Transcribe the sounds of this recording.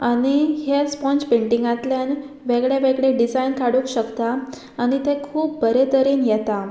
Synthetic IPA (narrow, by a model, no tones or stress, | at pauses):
aɽ̃ihespɔ̃nt͡ɕpeɳʈiŋɡãt̪ljan | ʋeɡɭeʋeɡɭeɖid͡zajnkaɽukɕəkt̪aː | ɽ̃it̪ekʰuːp̚bəɾet̪əɾiːnjɛt̪a